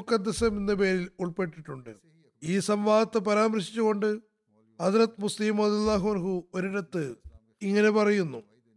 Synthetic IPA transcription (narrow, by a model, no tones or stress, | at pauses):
kːɐd̪ːɐsɐminːɨpe̞ːɾiluɭpe̞ʈːiʈːuɳɖɨ̰ | iːsɐmʋaːðɐt̪ːɨpɐɾaːmɐɾɕi̥t͡ɕːuɣo̞ɳɖɨ | hɐsrɐt̪musliːmrɐðijɐlːaːɦuɐnɦuoɾiɽɐt̪ːɨ | iŋːɐne̞pɐrɐjunːu